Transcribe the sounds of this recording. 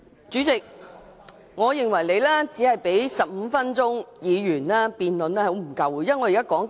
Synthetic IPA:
t͡ʃyː˨˥t͡sɪ˨k̚ | ŋɔː˨˧jɪ˨ŋwɐ˨˩jle˨˧jlɛː˥t͡siː˨˥hɐ˨jpe˨˥jsɐ˨p̚m̩ː˨˧˦fɐ˥nt͡sʊ˥ŋjiː˨˧jyː˨˩nlaː˥piː˨nlɵ˨˧nlɛː˥ho˨˥m̩˨˩kɐ˨wu˨˦ja˥ŋɔː˨˧jːkaː˥kɔː˨˥ŋ

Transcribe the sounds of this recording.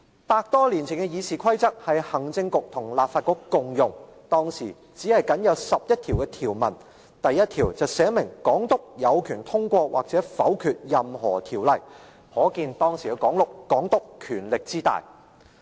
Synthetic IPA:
paː˧k̚t̪ɔː˥liː˨˩nt͡sʰɪ˨˩ŋkɛ˧jiː˨˧siː˨kʰɐ˥jt͡sɐ˥k̚hɐ˨jhɐ˨˩ŋt͡sɪ˧ŋkʊ˨k̚t̪ʰʊ˨˩ŋlaː˨p̚faː˧t̚kɔː˧˥kkʊ˨ŋjʊ˨ŋt̪ɔː˥ŋsiː˨˩ | t͡siː˨˥hɐ˨jkɐ˨˥njɐ˨˧wsɐ˨p̚jɐ˥t̚t̪ʰiː˨˩wkɛ˧t̪ʰiː˨˩wmɐ̰˨˩n | t̪ɐ˨jːɐ˥t̪̚ʰiː˨˩wt͡sɐ˨˩wsɛː˨˥mɪ˨˩ŋkɔː˨˥ŋt̪ʊ˥k̚jɐ˨˧wkʰyː˨˩nt̪ʰʊ˥ŋkʷɔː˧wʔa̰ː˨k̚t͡sɛː˨˥fɐ˨˥wkʰyː˨t̚jɐ˨mɦɔː˨˩t̪ʰiː˨˩wlɐ˨j | hɔː˨˥kiː˧nt̪ɔː˥ŋsiː˨˩kɛ˧kɔː˨˥ŋlʊ˨˩kːɔː˨˥ŋt̪ʊ˥kkʰyː˨˩nlɪ˨k̚t͡siː˥t̪a̰ː˨j

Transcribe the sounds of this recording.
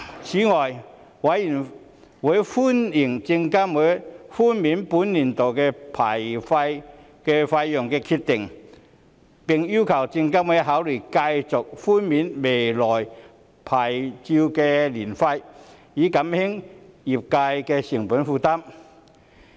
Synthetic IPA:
t͡ɕʰi˨˥ŋɔː˨˩j | wa˨˥ji˨˩n | wu˨˦˥jfu˥ni˨˩ŋt͡si˧ŋka˥mwfu˥nmi˨˥npu˧˥nːi˨˩nt̪o˨˩wkɛ˧pʰa˨˩jfa˧j | kɛ˧fa˧jːɔ˨˩ŋkɛː˧kʰi˧t̪̚ɪ˨˩ŋ | pi˨˩ŋju˥kʰa˨˩wt͡ɕi˧ŋka˥mwe˨˦˥jɦa˨˥wli˨˩ka˧jt͡sʊ˨k̚fu˥nmiː˨˥nme˨jlɔ˨˩j | pʰaː˨˩jt͡ɕi˧wkɛ˧li˨˩nfa˧j | iː˨˥ka˨˦˥mhi˥ŋi˨˩p̚ka˧jkɛ˧ɕi˨˩ŋpu˨˥nfuː˧t̪a˥m

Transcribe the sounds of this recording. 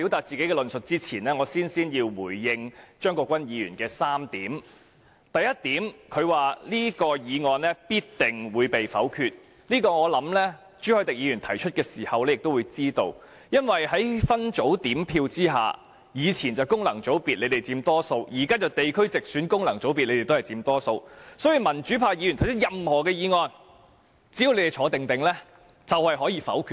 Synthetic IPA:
i˨˥wt̪aː˨˩t̚t͡siː˨ke˨˥jkɛ˧lɵ˨nsɵ˨t̚t͡siː˥t͡sʰiː˨˩nlɛː˥ŋɔː˨˧siː˥nsiː˥njiː˧wwuː˨˩jːɪ˧ŋt͡ʃœː˥ŋkɔː˧kʷɐ˥njiː˨˧jy̰ː˨˩nkɛː˧saː˥mt̪iː˨˥m | t̪ɐ˨jɐ˥t̚t̪iː˨˥mkʰɵ˨˧ɥwaː˨liː˥kɔː˧jiː˨˧ŋɔː˨˧nlɛ˥piː˥t̚t̪ɪ˨˩ŋwuː˨˧jpe˨jfɐ̰˨˥wkʰyː˧t̚ | liː˥kɔː˧ŋɔː˨˧lɐ˨˥mlɛː˥ | t͡ʃyː˥hɔː˧jt̪ɪ˨k̚jiː˨˧jyː˨˩nt̪ʰɐ˨˩jt͡ʃʰɵ˥t̚kɛː˧siː˨˩hɐ˨wlɛ˥jɪ˨k̚t̪o˥wuː˨˧jt͡siː˥t̪o˧w | jɐ˥nwɐ˨jhɐ˨˥jfɐ˥nt͡ʃo˨˥wt̪iː˨˥mpʰiː˧wt͡siː˥ɦa̰ː˨ | jiː˨˧t͡sʰiː˨˩nt͡sɐ˨wkʊ˥ŋlɐ˨˩ŋt͡so˨˥wpiː˨t̚le˨˧jt̪e˨jt͡siː˧mt̪ɔː˥so˧wjiː˨˩kaː˥t͡sɐ˨wt̪e˨jkʰɵ˥ɥt͡sɪ˨k̚syː˨˥nkʊ˥ŋlɐ˨˩ŋt͡so˨˥wpiː˨t̚le˧jte˨t̪o˥hɐ˨˩jt͡siː˧mt̪ɔː˥so˧wsɔː˨˥jy˨˧mɐ˨˩nt͡ʃyː˨˥pʰaː˧jiː˧y˨˩ntʰjt͡ʃʰt̚jɐ˨mhɔː˨˩kɛː˧jiː˨˧ŋɔː˧n | t͡si˧˥ji˧wle˨˧jte˨jt͡ʃʰɔː˨˥t̪ɪ˨ŋt̪ɪ˨ŋlɛː˥ | t͡sɐ˨whɐ˨jɦɔː˨˥jiː˧fɐ̰˨˥wkʰyː˧

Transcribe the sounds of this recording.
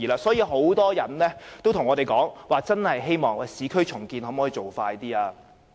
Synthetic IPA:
iː˨˩laː˧sɔː˨˥jiː˨˧ɦo˨˥wt̪ɔː˥jɐ˨˩nlɛː˥t̪o˥wt̪ʰʊ˨˩ŋɔː˨˧ɾe˨jkɔː˨˥ŋwaː˨t͡sɐ˥nhɐ˨jɦe˥jmɔː˨ŋɛ˧siː˨˥kʰɵ˥ɥt͡ʃʰʊ˨˩ŋkiː˧nho˨˥mɔː˨˥ji˨˧t͡ʃo˨wfaː˧jt̪iː˥aː˧

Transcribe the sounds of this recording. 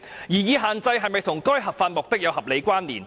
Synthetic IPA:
jiː˨˩jiː˨˧ɦaː˨nt͡sɐ˧jɦɐ˨jmɐ˨˩jt̪ʰʊ˨˩ŋkɔː˥jɦɐ˨p̚faː˧nmʊ˨k̚t̪ɪ˥k̚jɐ˨wɦɐ˨p̚le˨˧jkʷaː˥nlḭː˨˩n

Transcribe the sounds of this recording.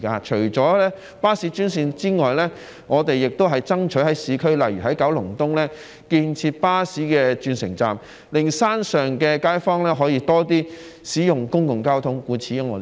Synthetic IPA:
kaː˧t͡ʃʰɵ˨˩ɥt͡sɔː˨˥lɛː˥ | paː˥siː˨˥t͡ʃyː˥nsiː˧nt͡siː˥ŋɔː˨jlɛː˥ | ŋɔː˨˧t̪e˨jːɪ˨k̚t̪o˥wɦɐ˨jt͡sɐ˥ŋt͡ʃʰɵ˨˥ɦɐ˨˥jsiː˨˧kʰɵ˥ɥlɐ˨jɥyː˨˩ɦɐ˨˥jkɐ˨˥wlʊ˨˩ŋt̪ʊ˥ŋlɛː˥ | kiː˧nt͡sʰiː˧t̚paː˥siː˨˥kɛː˧t͡ʃyː˧nsɪ̰˨˩ŋt͡sa̰ː˨˩m | lɪ˨ŋsaː˥nsœː˨ŋkɛː˧kaː˥jfɔː˥ŋlɛː˥ɦɔː˨˥jiː˧˥t̪ɔː˥t̪iː˥ | siː˨˥jʊ˨ŋkʊ˥ŋkʊ˨˩ŋkaː˥wt̪ʰʊ˨˥ŋkuː˨˥t͡sʰiː˨˥jʊ˧˥ŋɔ̰ː˨˧

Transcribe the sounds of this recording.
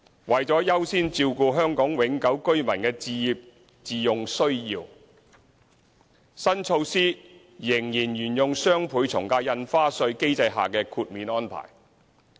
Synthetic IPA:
wɐ˨˩jt͡sɔː˨˥jɐ˥wsiː˥nt͡siː˧wkuː˨˧ɦœː˥ŋkɔː˨˥ŋwɪ˨˥ŋkɐ˨˥wkɵ˥ɥmɐ˨˩nkɛː˧t͡siː˧ji˧p̚ | t͡siː˨˧jʊ˨ŋsɵ˥ɥjiː˧w | sɐ˥nt͡ʃʰo˧wsiː˥ | jɪ˨˩ŋjiː˨˩njyː˨˩njʊ˨ŋsœː˥ŋpʰuː˨˥jt͡sʰʊ˨˩ŋkaː˧jɐ˧nfaː˥sɵ˧ɥke˥jt͡sɐ˧jɦa̰ː˨˩kɛː˧kʰuː˧t̚miː˨˥nɔː˥npʰa̰ː˨˩j

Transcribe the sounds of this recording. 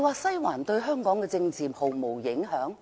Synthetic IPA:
waː˨sɐ˥jwaː˨˩nt̪ɵ˧ɥɦœː˥ŋkɔː˨˥ŋkɛ˧t͡sɪ˧ŋt͡siː˨˩mho˨˩wmo˨˩wjɪ˨˥ŋɦœː˨˥ŋ

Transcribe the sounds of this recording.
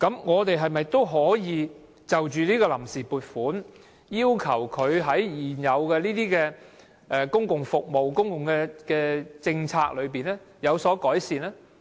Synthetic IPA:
kɐ˨˧˥mŋɔː˨˧t̪e˨jɦɐ˨jmɐ˨jt̪o˥wɦɔː˨˥jiː˨˧ | t͡sɐ˨˩wt͡ʃyː˨˧liː˥kɔː˧lɐ˨˩msiː˨puː˨t̚fuː˨˥n | jiː˥wkʰɐ˨˩wkʰɵ˨˧ɥɦɐ˨˥jjiː˨njɐ˨˧wkɛ˧liː˥t̪iː˥kɛː˧ | ʔɛː˨kʊ˥ŋkʊ˨˩ŋfʊ˨k̚mo˨˩wkʊ˥ŋkʊ˨ŋkɛː˧kɛː˧t͡sɪ˧ŋt͡sʰaː˧k̚lɵ˨˧ɥp̬iː˨˩nɛ˥ | jɐ˨˧wsɔː˨˥kɔː˨˥jsiː˨nɛː˥

